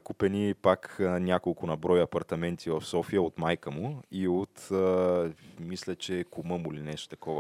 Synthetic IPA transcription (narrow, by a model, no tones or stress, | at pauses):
kupɛnipaknʲjakolˠkʊnɐbɾɔjɐpɐɾt̪ɐmɛnt̪ʰivɐfsɔfijəot̪majkəmʊiot̪ː | mislʲət͡ʃɛkʊmɤmuilinɛʃt̪o̥t̪ɐkɔvə